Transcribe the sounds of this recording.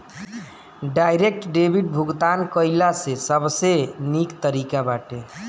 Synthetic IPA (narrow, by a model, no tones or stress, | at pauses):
ɖajɾek̚ʈɖebʱiʈ̚bʱuɡt̪ankəjlasesəbsenikt̪əɾikabaʈe